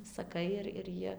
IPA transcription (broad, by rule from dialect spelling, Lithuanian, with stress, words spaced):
sɐˈkɐɪ ɪr ɪr ˈjiɛ